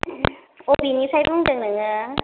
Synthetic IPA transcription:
obinisajbʰɯŋdɯŋnɯŋa

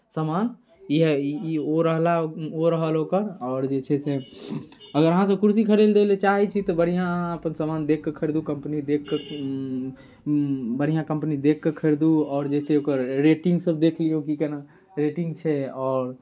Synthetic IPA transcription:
səman | iɦɛoɾəɦlaoɾəɦəlokəɾɔːɾd͡ʒet͡ʃʰɛse | əɡəɾəɦãs̬əbkuɾsikʰəɽeld̪elet͡ʃaɦɛt͡ʃʰit̪ɔbəɽ̤ijãəpənsəmand̪ekːekʰəɾd̪ukəmpnid̪ekːe | bəɽ̤ijãkəmpnid̪ekːekʰəɾd̪uɔːɾd͡ʒet͡ʃʰeokəɾɾeʈĩŋɡsəbd̪ekʰlijokikena | ɾeʈiŋɡt͡ʃʰɛɔːɾ

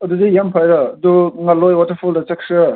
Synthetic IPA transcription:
ɐduzijampʰajɾɐɐduŋɐlːojwatɐɾpʰuldɐt͡ʃɐkʰ

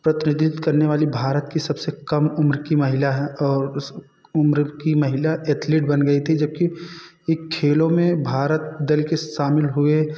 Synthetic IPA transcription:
pɾɐt̪ɪnɪd̪ʱɪt̪kɐɾneʋaːlibʱaːɾət̪kisɐbsekɐmʊmɾkimɐɦɪlaɦɛɔːɾs | ʊmɾkimɐɦɪlaʔeːt̪liʈ̚bɐnɡɐit̪ʰid͡ʒɐb̚ki | eːkʰːeːlõmẽbʱaːɾət̪̚d̪ɪlkeʃaːmɪlɦʊe

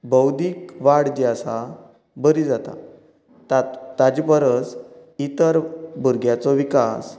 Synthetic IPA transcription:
bəwd̪ʱikʋaɽd͡ʑiasa | bəɾid͡zat̪a̰ | t̪at̪ad͡ʑpəɾəs | it̪əɾbʱuɾɡjat͡sɔʋikas

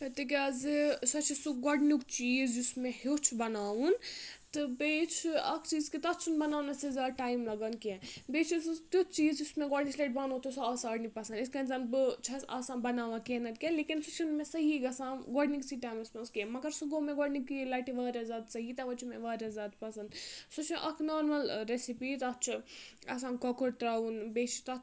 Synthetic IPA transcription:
kɐt̪ik̬ʲazisɐt͡ʃʰisuɡɔɽnukt͡ʃiːzd͡ʒismẽhot͡ʃʰbɐnaːʋunt̪ɨbeːt͡ʃʰɐ̰kʰt͡ʃiːzkit̪ɐt͡ʃʰunbɐnaːnɐsizaːʈaːjmlɐɡɐnkẽbeːt͡ʃʰist̪ut͡ʃiːzd͡ʒismẽɡɔɖnisleːʈ̚banõt̪usuaːsaːɽnikpɐsɐ̃niskɐ̃nzɐːnbɨt͡ʃʰɐsɐ̰sãːnbɐnaːʋãkenɐt̪kẽlekinsut͡ʃʰunmẽsɐɦiɡɐsãːɡɔɽniksiʈajmɐsmɐskemɐɡɐɾsuɡomẽɡɔɽnikilaːʈiʋɐːɾʲazaːd̪sɐɦit̪ɐʋɐt͡ʃʰimẽʋɐːɾazaːd̪pɐsɐnsut͡ʃʰmḛʔɐkʰnɔːɾmɐlɾesipit̪ɐt͡ʃʰɨɐ̰sãːnkɔkuɾt̪ɾaunbet͡ʃʰi̥t̪ɐ

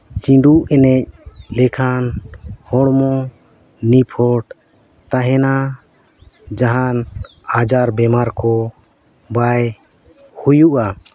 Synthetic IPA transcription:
t͡ʃiɖuʔɛnɛc̚lɛkʰanhɔɽmɔ | nipʰɔʈ | t̪aɦɛna | d͡ʒaɦan | ad͡ʒaɾbɛmaɾkɔ | baj | hujuʔa

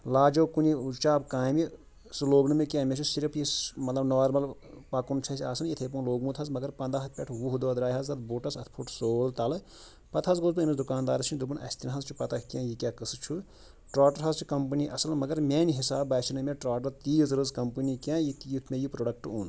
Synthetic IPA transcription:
laːd͡ʒoːkuniut͡ʃaːbkaːmi | sloːɡnɨmekʲãːmʲet͡ʃʰusiɾpʰjimɐt̪lɐbnɐʋaɾmɐlpɐkunt͡ʃʰɐsʲiaːsɨnjit̪ʰeːp̬unloːɡmũt̪ʰɐzmɐɡɐɾpɐnd̪aːɦɐt̪̚ʰpʲɛʈʰʋuɦud̪od̪ɾaːjɦɐzɐt̪̚boːʈɐsɐt̪ʰpʰuʈʰsoːlt̪ɐlɨ | pɐt̪ʰɐzɡozbɨɐmisd̪ukaːnd̪aːɾɐsʰinʲd̪ubunɐ̰sʲt̪inɦɐzt͡ʃʰi̥pɐt̪akʲãːjikʲaːkɨsɨt͡ʃʰu | ʈɾaːʈɐɾɦɐzt͡ʃʰi̥kɐmpɨniʔɐsɐlmɐɡɐɾmeːniɦisaːbɐːsʰinɨmeʈɾaːʈɐɾt̪iːzɾɨzkɐmpɨnikʲãːjit̪jit̪ʰmʲejipɾoːɖɐk̚ʈuːn

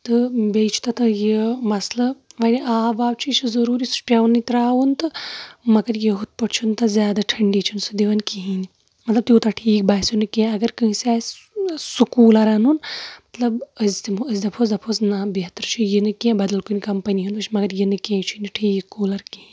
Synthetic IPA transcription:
t̪ɨbeːt͡ʃʰt̪ɐt̪ɨjemɐslɐʋɐnʲiʔaːʋaːwt͡ʃʰit͡ʃʰizɐɾuːɾisu̥ʈʲɐʋnːit̪ɾaːʋunt̪ɨmɐɡɐɾjeɦut̪̚pɐʈt͡ʃʰunt̪ɐzʲjaːd̪aʈʰɐɳɖit͡ʃʰunsɨd̪iʋɐnkiɦini | mɐt̪lɐbt̪joːt̪ɐʈʰiːk̚baːsunɨkʲẽɐɡɐɾkəɦĩsaː | sukuːlɐɾanunmɐt̪lɐbəzʲt̪imɐzʲd̪ɐpʰozd̪ɐpʰoznabiɦɐt̪ɾɨt͡ʃʰijinɨkʲẽbɐd̪ɐlkunʲkɐmpɐniɦunpɐt͡ʃʰimɐɡɐɾjinɨkʲẽːt͡ʃʰiniʈʰiːkːuːlɐɾkiɦĩ

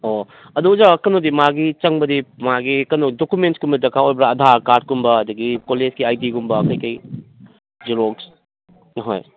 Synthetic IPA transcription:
o | ɐdud͡ʒaɐkɐnodimaɡit͡ʃɐŋbɐdimaɡikɐnodokumentkumbɐdɐkʰaojbɐɾaɐdʱaɾkaɾd̚kumbɐɐduɡikoled͡ʒɡiajdiɡumbɐkɐjkɐj | d͡ʒuɾoɡs | ɦo̰j

